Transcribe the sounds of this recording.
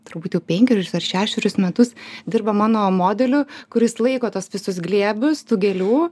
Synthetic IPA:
t̪ʊɾbuːt̪jɛʊpʲɛŋʲkʲɛɾʲsɐrʃʲæːʃʲɛɾʲʊsmʲɛt̪ʊsd̪ʲɪrbɐmɑːnoːmoːd̪ʲɛlʲʊkʊɾʲɪslˠɐɪkoːt̪uɔsʋʲɪsʊs̬ɡlʲiɛbʲʊst̪uːɡʲɛlʲuː

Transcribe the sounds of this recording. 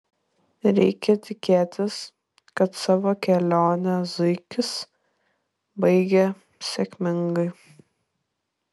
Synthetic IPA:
ɾʲɛɪkʲɛt̪ʲɪkʲeːt̪ʲɪs | kɐt̪sɑːʋoːkʲɛlʲoːnʲɛzʊɪkʲɪs | bɐɪɡʲɛ | sʲɛkʲmʲɪŋɡɐɪ

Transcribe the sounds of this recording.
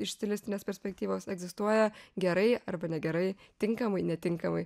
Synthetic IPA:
ɪʃsʲt̪ʲɪlʲɪst̪ʲɪnʲeːspʲɛɾʲsʲpʲɛkt̪ʲiːʋoːsɛɡzʲɪst̪uɔjɛɡʲɛɾɐɪɐrbɐnʲɛɡʲɛɾɐɪ | t̪ʲɪŋkɐmɐɪnʲɛt̪ʲɪŋkɐmɐɪ

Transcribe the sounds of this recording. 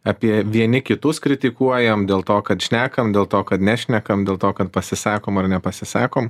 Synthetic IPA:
ɑːpʲiɛʋʲiɛnʲɪkʲɪt̪ʊskɾʲɪt̪ʲɪkuɔjɛmd̪ʲeːlˠt̪oːkɐt̪ʃʲnʲæːkɐmd̪ʲeːlˠt̪oːkɐt̪nʲæːʃʲnʲɛkɐmd̪ʲeːlˠt̪oːkɐt̪̚pɐsʲɪsɑːkoːmɐɾnʲɛpɐsʲɪsɑːkoːm

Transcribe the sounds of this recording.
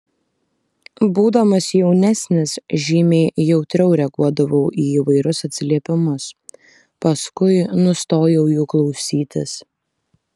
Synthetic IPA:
buːd̪ɐmɐsjɛʊnʲæsʲnʲɪsʒʲiːmʲeːjɛʊt̪ʲɾʲɛʊɾʲɛɡuɔd̪ɐʋɐʊʔiːiːʋɐɪɾʲʊsɐt̪ʲsʲɪlʲiɛpʲɪmʊs | pɐskʊɪnʊst̪oːjɛʊjuːklˠɒʊsʲiːt̪ʲɪ̰s

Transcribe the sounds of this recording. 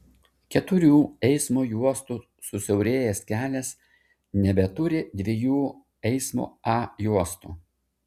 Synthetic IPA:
kʲɛt̪ʊɾʲuːɛɪsmoːjuɔst̪uː | sʊsʲɛʊɾʲeːjɛːskʲæːlʲɛs | nʲɛbʲɛt̪ʊɾʲɪd̪ʲʋʲejuː | ɛɪsmo̰ːɑjuɔst̪ṵː

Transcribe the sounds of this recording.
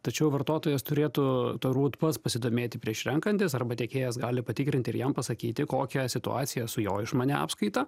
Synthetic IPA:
t̪ɐt͡ʃʲɛʊʋɐrt̪oːt̪oːjɛst̪ʊɾʲeːt̪uːt̪oruːt̪pɐspɐsʲɪd̪oːmʲeːt̪ʲɪpʲɾʲiɛʃɾʲɛŋkɐnʲt̪ʲɪsɐrbɐt̪ʲeɛkʲeːjɛs̬ɡɑːlʲɪpɐt̪ʲɪːkɾʲɪnʲt̪ʲɪɾjɛmpɐsɐkʲiːt̪ʲɪkoːkʲɛsʲɪt̪ʊ̰ɑ̰ːtsʲɪjɛsʊjoːɪʃmɑːnʲɛɑ̰ːpskɐɪt̪ɐ

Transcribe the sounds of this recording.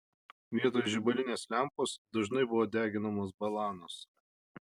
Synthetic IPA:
ʋʲiɛt̪oːjʒʲɪbɐlʲɪnʲeːslʲæˑmpoːsd̪ɐʒnɐɪbʊʋoːd̪ʲæːɡʲɪnɐmoːs̬bɐlˠɑːnoːs

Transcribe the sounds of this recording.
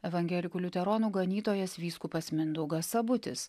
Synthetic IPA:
ɛʋɐŋʲɡʲɛlʲɪkuːlʲʊt̪ʲɛɾoːnuːɡɐnʲiːt̪oːjɛsʋʲiːskuːpɐsʲmʲɪnd̪ʊɡɐsɐbʊt̪ʲɪ̰s

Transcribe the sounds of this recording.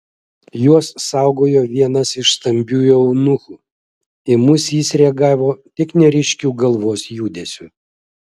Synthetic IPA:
juɔssɑˑʊɡoːjoːʋʲiɛnɐsɪʃst̪ɐmʲbʲuːjɛʊnʊxuː | ɪmʊsjiːsɾʲɛɐɡɑːʋoːt̪ʲɪknʲɛɾʲɪʃʲkʲuːɡɐlˠʋoːsjuːd̪ʲeːsʲʊ

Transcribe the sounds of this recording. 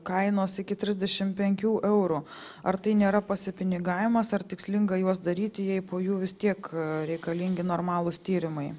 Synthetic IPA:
kɐɪnoːsɪkʲɪt̪ʲɾʲɪzʲd̪ʲɛʃʲɪmpʲɛŋʲkʲuːʔɛʊɾuɐrt̪ɐɪnʲeːɾɐpɐsʲɪpʲɪnʲɪɡɑːʋʲɪmɐsɐɾt̪ʲɪksʲlʲɪŋɡɐjuɔs̬d̪ɐɾʲiːt̪ʲɪjɛɪpoːjuːʋʲɪst̪ʲiɛkɾʲɛɪkɐlʲɪŋʲɡʲɪnoːɾmɑːlˠʊst̪ʲiːɾʲɪmɐɪ

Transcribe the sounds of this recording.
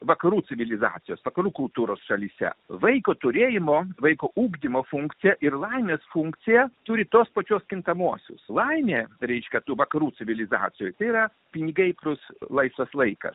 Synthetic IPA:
ʋɐkɐɾuːt͡s̪ʲɪʋʲɪlʲɪzɑ̰ːt̪ʲɪjoːsʋɐkɐɾuːkʊlˠt̪uːɾoːsʃɐlʲisʲɛ̰ʋɐɪkoːt̪ʊɾʲeːjɪmoːʋɐɪkoːʔuːɡd̪ʲɪmoːfuŋkt̪sʲɪjɛʔɪɾlˠɐɪnʲeːsfuŋk̪sʲɪjɛt̪uɾʲɪt̪oːspɐt͡ʃʲoːskʲɪnt̪ɐmuɔsʲʊ̰slˠɐɪnʲeːɾʲɛɪʃʲkʲɛt̪uːʋɐkɐɾuːsʲɪʋʲɪlʲɪzɑ̰ːsʲɪjojt̪ɐɪiɾɐ | pʲɪnʲɪɡɐɪplʲʊslˠɐɪsʋ̪ɐslˠɐɪkɐ̰s

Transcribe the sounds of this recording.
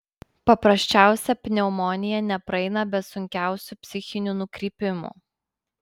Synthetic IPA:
pɐpɾɐsʲt͡ʃʲæˑʊsʲɛpʲnʲɛʊmɔnʲɪjɛnʲɛpɾɐɛɪnɐbʲɛt̪sʊŋʲkʲæˑʊsʲuːˑpʲsʲɪxʲɪnʲunʊkɾʲiːpʲɪmṵːˑ

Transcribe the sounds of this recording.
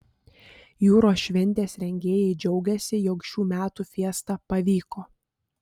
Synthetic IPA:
juːɾoːsʃʲʋʲɛnʲt̪ʲeːsɾʲɛŋʲɡʲeːjɛɪd͡ʒʲɛʊɡʲɛsʲɪjɔkʃʲuːmʲæːt̪uːfʲiɛst̪ɑpɐʋʲiːkoː

